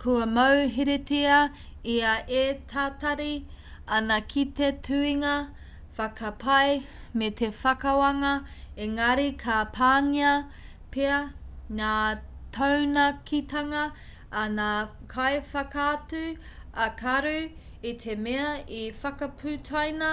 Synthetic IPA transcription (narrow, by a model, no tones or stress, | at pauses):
kʰuɐmɐwɦiɾetiɐ | iɐʔet̪ʰatɐɾi | ɐnɐkʰitetʰʉiŋɐ | fɐkʰɐpʰɐjmet̪ʰefɐkɐwɐŋɐeŋɐɾikʰapʰaːŋiɐ | peɐŋaːtʰownɐkʰit̪ɐŋɐː | na | kʰajfɐkaːtʉ | ɐkʰɐɾʉ | it̪ʰemeɐifɐkɐpʰʉtʰajnɐ